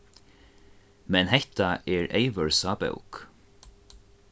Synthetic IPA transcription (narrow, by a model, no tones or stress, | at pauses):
mɛnhɛht̪aʔɛːɹeɪʋəɹsɑːbə̰ʊk